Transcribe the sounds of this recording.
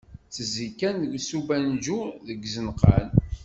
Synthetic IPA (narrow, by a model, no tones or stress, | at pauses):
t͡sːəzikːænɡsubænd͡ʒuðəɡzənqɑ̰l